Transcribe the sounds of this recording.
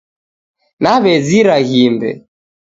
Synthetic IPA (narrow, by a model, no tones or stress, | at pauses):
naβɛziɾaɣimbɛ̰